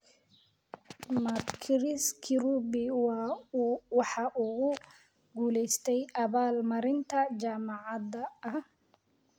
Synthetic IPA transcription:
mɐkʰɾɪskʰɪɾubɪw | wɑħɑʔʊɣʊ | ɡuːlɛjst̪ʰɛjʔɐβaːlmɐɾɪnt̪ʰɐt͡ʃaːmɑʕɑdɐɐh

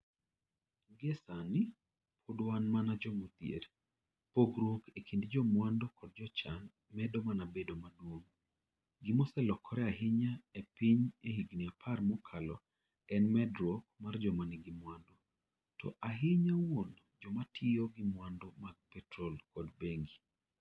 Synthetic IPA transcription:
ɡesanɪ | pʰodwanmanad͡ʒɔmut̪jḛɾ | poɡɾwokekʰindd͡ʒɔmwandokɔd̚d͡ʒɔt͡ʃan | mɛdomanabedomadwoŋ | ɡimɔsɛlɔkʰːɔɾɛaɦɪɲaepiɲehiɡniapʰarmɔkʰalɔ̰ | ɛnmɛdɾɔk̚mard͡ʒɔmanɪɡɪmwando | tɔ̰ʔaɦɪɲawon | d͡ʒɔmatʰɪjɔɡɪmwandomaɡ̚pɛtɾolkɔdbeŋɡi

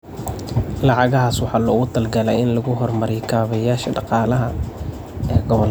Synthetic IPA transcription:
lɑʕɑɣɐɦaːswɑħɑːlɔːɣʊt̪ʰɐlɡɐlɛjɪnlɐɣʊɦɔrmɐɾɛjkʰaːβɐjaːʃɐɖɑqɑːlɐɦɐ | ɛːɡɔβɔl

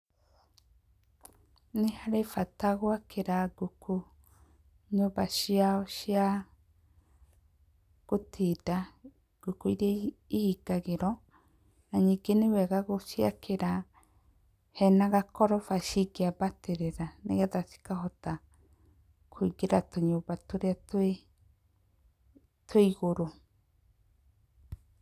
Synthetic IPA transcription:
nehaɾefataɣwakʰeɾaɡokʰo | ɲoːbaʃiaʃja | ɣ̥otʰeda | ɡ̥okoiɾɛihiɡaɣeɾɔ | naɲiɡenewɛɣaɣoʃia̰kʰeɾa | hɛnaɣakɔɾɔfaʃiɡeabateɾeɾanḛɣaðaθi̥kaɦɔta | kʰoiɡeɾat̪oɲobat̪oɾeatwe | tweiɣoɾo

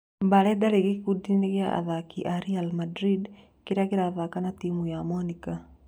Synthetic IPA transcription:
mbaɾɛdaɾeɣekudineɣjaʔa̰ðakiʔaɾialmadɾid | keɾakeɾaːðakanatimujamɔnika

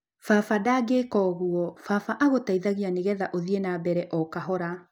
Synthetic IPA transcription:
fafadaːɡekɔːɣuɔfafaʔaɣotaiðaɣianeɣɛðaʔoðienabɛɾɛʔɔkaɦɔɾa

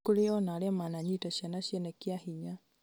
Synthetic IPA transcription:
kuɾeɔnaɾɛmanaɲitaʃɛnaʃɛnɛkiahiɲa

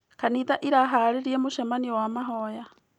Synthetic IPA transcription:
kaniːt̪aʔiɾaɦaːɾeɾiɛmoʃamaniwamaɦɔja

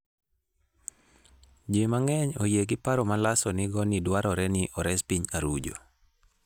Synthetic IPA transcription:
d͡ʒemaŋɛɲojeɡɪpaɾɔmalasɔnɪɡɔnɪdwaɾɔɾɛnɪʔɔɾɛspiɲaɾud͡ʒo̰

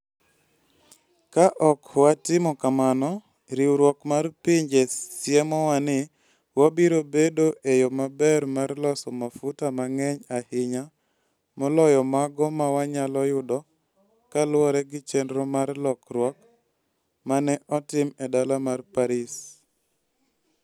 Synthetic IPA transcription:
kaʔɔkwatɪmɔkamanɔ | ɾiwɾwɔkmarpiɲd͡ʒɛsjɛmɔwanɪ | wabiɾobedoʔejomabɛrmarlɔsɔmafʊtamaŋɛɲahɪɲa | mɔlɔjɔmaɡɔmawaɲalɔjʊdɔ | kalwɔɾɛɡɪt͡ʃɛndɾɔmarlɔkɾwɔk̚ | manɛʔɔtɪmɛdalamarpaɾɪs

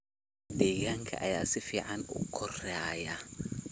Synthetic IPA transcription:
d̪ɛːɣaːŋkʰɐ̰ʔɐja̰ːsɪfiːʕɑnʊ̰kʰɔraːjɐ

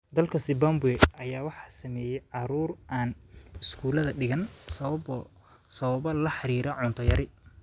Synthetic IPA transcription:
d̪ɐlkʰɐsɪbambʊɛʔɐjaːwɑħɑːsɐmɛːjɛjʕɑɾuːrʔaːnɪskʰuːlɐðɐɖɪɣɐnsɐ | sɐβɐβɐlɐħɑɾiːɾɐʕʊnt̪ʰɔjɐɾɪ

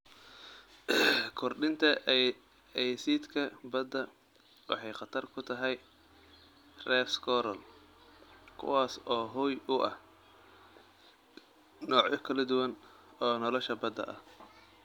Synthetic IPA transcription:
kʰɔrɖɪnt̪ʰɐ | ɛjsiːt̪kʰɐbɐd̪ɐ | wɑ̰ħɑjqɑt̪ʰɐrkʰʊt̪ʰɐɦɛj | rɛːfskʰɔɾɐl | kʰʊ̰waːsɔːɦʊjʊʔɐh | nɔːʕʊkʰɐlɐd̪ʊwɐn | ɔːnɔlɔʃɐbɐd̪ɐ̰ʔɐh

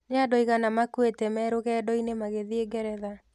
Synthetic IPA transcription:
neadɔiɣanamakuwetɛmɛːɾoɣɛːdɔinemaɣeðieɡɛɾɛða

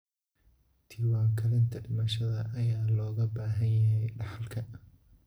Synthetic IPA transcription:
t̪ʰiːwaːkʰɐlɪnt̪ʰɐɖɪmɐʃɐðɐʔːjaːlɔːɣɐbaːɦɐnjɐɦɛjɖɑħɑlkʰɐ

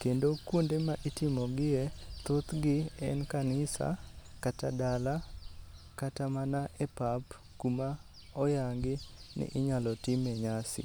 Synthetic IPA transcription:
kendokundemaʔitɪmɔɡɪet̪ot̪ɡɪɛ̰nkanɪsa̰katadala | katamanaʔɛpap | kuma | ɔjaŋɡɪnɪ̰ʔɪɲalɔtɪmɛɲasɪ̰

